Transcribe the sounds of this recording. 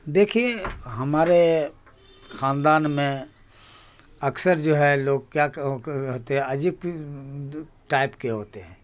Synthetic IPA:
d̪ekʰieɦəmaːɾe | xʰaːnd̪aːnmẽ | əksəɾd͡ʒoːɦɛloɡkjaɦot̪eɦɛ̃əd͡ʒik | ʈaɪpkeɦot̪eɦɛ̃ː

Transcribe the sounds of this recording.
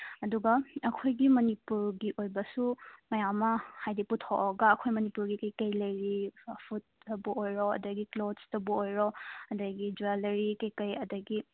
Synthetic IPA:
ɐduɡɐɐkʰojɡimɐnipuɾɡiʔojbɐsumɐjamɐhajdiputʰɔʔɔɡɐɐkʰojmɐnipuɾɡikɐjkɐjlɐjɾipʰutːɐbuojɾɔɐ̰dɐɡiklodstɐbuojɾɔɐdɐɡid͡ʒualɐɾikɐjkɐjɐdɐɡi

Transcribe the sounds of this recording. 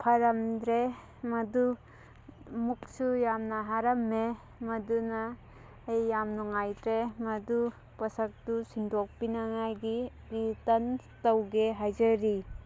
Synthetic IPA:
pʰɐɾamdɾe | mɐdu | muk̚sujamnɐɦaɾɐmːe | mɐdunaː | jːamnuŋajdɾemɐdu | pɐsɐk̚tusindɔk̚pinaŋajɡi | ɾitɐn | tɐwɡeɦajzɐɾi

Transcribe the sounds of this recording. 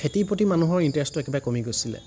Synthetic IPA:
etipotimanuɦɔɹintɹɛstuɛkɛbaɛkomiɡojsilɛ̰

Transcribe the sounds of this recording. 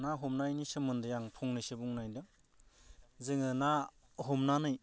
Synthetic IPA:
naɦɔmnajnisɯmɯndɯjaŋpʰɔŋnɯsebuŋnajdɯ | zɯŋɯna | ɦɔmnanɯj

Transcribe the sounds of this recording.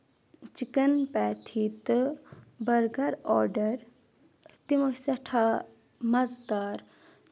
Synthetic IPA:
t͡ʃikənpɛːt̪ʰit̪ | bɐɾɡɐɾɔːɾɖɐɾ | t̪imosɐʈʰa | mɐzt̪aːɾ

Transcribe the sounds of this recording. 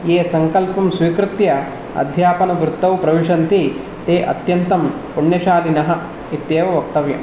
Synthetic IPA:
jeːsɐŋkɐlpɐmsʋiːkɾɪt̪jɐ | ɐ̰d̪ʱjaːpɐnɐʋɾut̪ːɐwpɾɐʋiʂɐnt̪i | t̪eːʔɐ̰t̪jɐnt̪ɐm | puɳjɐʃaːlinɐɦɐ | it̪jeːʋɐʋɐk̚t̪ɐʋjɐ̰m

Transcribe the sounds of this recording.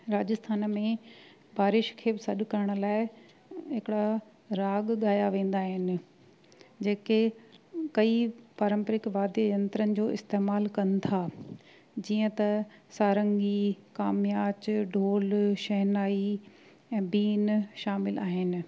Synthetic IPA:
ɾaːd͡ʑɪst̪ʰaːnmẽ | baːɾɪʃkʰeːbɪsɐɗkɐɾəɽ̃ʊ̆laːɪ | ɦɪkɪɽa | ɾaːɠɠaːjaʋẽːn̆d̪aːɦɪnɪ̆ | d͡ʑeːkekɐipaːɾə̃mpɾɪkʋaːd̪jəjɐ̃nt̪ɾənɪ̆d͡ʑoːɪst̪eːmaːlkɐnɪ̆t̪ʰa | d͡ʑiːə̃t̪ɐsaːɾə̃ŋɡikaːmjaːt͡ɕɖʱoːlʃɐɦnaːi | ɛ̃ːbiːnʃaːmɪlaːɦɪnɪ̆

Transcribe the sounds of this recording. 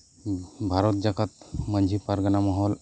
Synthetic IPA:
bʱaɾɔt̪̚d͡ʒakat̪mənd͡ʒʱipaɾɡanamaɦɔl

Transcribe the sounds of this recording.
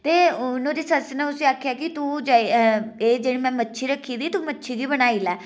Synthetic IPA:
t̪eːnõɾiːsəsnɛ̃ʊsiaːkʰjaːkit̪ũd͡ʒaːieːd͡ʒeːɽiːmɛ̃ːmətːʃʰiɾəkʰiːd̪iːt̪umətːʃʰiɡiːbəɽ̃aːiːlɛː

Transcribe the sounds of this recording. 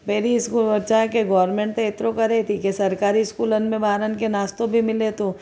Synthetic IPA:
meːɾiɪskulbət͡ʃaɦkeɡɔːɾmẽːɳʈt̪eɪt̪ɾokɐɾet̪ʰikesɐɾkaːɾiɪskuːlənmẽbʱaːɾənkenaːst̪õbʱimɪlet̪ũː

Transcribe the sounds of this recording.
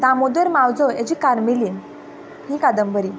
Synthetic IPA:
d̪ãmod̪əɾmawd͡zɔjat͡ɕikaɾmiliːn | ɦĩkad̪əmbəɾi

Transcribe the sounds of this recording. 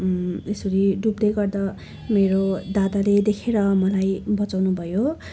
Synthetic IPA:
esʌɾiɖub̚d̪ʌjɡʌrd̪ʌ | meɾod̪ad̪aled̪ekʰeɾʌmʌlajbʌt͡sawnubʱʌjo

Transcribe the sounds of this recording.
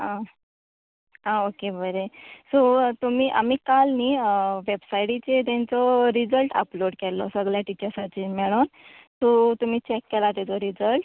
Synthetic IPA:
ã | aokebəɾesot̪umiːʔa̰m̤iːkalniʋebsajɽit͡ɕet̪̬ɛ̃nt͡sɔɾid͡zəlʈə̰ploɽkɛlːɔ̰səɡɭjaʈit͡ɕəɾsat͡ɕiːnmɛɭon | sot̪um̤iːt͡ɕɛkːɛlat̪ɛt͡sɔɾid͡zəlʈ

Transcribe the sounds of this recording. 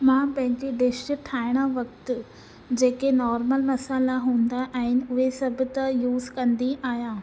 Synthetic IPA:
mãːpɐ̃ɦɪ̃ɲd͡ʑiɖɪsʈɪʈʰaːɪɽ̃əʋɐkt̪ʊ̆ | d͡ʑeːkenɔːɾməlmɐsaːlaɦũːnd̪aʔaːɦɪnɪ̆ʊɦesɐbʱʊ̆t̪ɐjuːzkɐ̃nd̪iaːɦijãː

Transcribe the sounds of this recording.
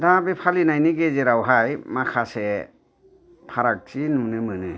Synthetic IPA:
dabepʰalinajniɡezeɾawɦajmakʰase | pʰaɾak̚t͡ʃinunɯmɯnɯ

